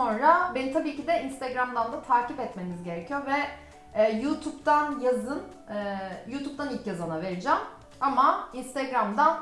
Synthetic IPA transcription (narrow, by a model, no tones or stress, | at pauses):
o̞nɾabenit̪ʰabiːcid̪ɛinst̪eɡɾamd̪and̪at̪ʰaːcipɛt̪me̞nizɟe̞ɾɛcʰijo̞ɾvɛː | juːt̪ʰupt̪anjazɯn | juːt̪ʰup̚t̪ʰanilʲcjazanave̞ɾid͡ʒɛm | amainst̪ʰɛɡɾamd̪an